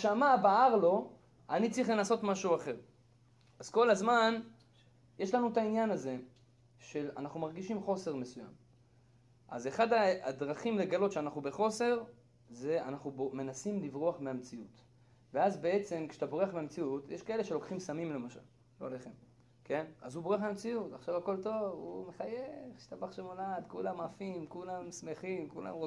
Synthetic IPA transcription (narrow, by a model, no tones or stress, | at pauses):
ʃamabaaʁlo̞ | anit͡sʁiχlenaso̞tmaʃuaχe̞ʁ | azko̞lazman | je̞ʃlanuetainjanaze̞ | ʃe̞la̰naχnumaʁɡiʃimχo̞se̞ʁme̞suja̰m | ʔa̰ze̞χadaːd̪ʁaχimle̞ɡalo̞tʃeanaχnube̞χo̞se̞ʁ | ze̞anaχnubome̞nasimlivʁoaχmeamt͡siut | veazbe̞e̞t͡se̞mkʃat̪abo̞ʁeaχmeamt͡siutjeʃkae̞le̞ʃe̞lo̞kχimsamimle̞maʃa̰l | loleχem | ke̞na̰zuboʁeaχmeamt͡siutaχʃavako̞lto̞vṵmeχajeχʃt̪abaχʃemolad̪kulamafimkulamsme̞χimkula̰mʁo